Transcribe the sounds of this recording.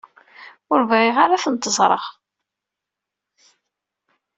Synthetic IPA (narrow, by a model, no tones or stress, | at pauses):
ʊɾvæʁiʁaɾaθənt̪əzˤɾˤə̰ʁ